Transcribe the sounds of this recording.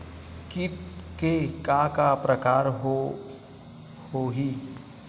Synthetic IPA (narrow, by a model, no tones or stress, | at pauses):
kikekakapɾəkaːɾɦo | hoɦi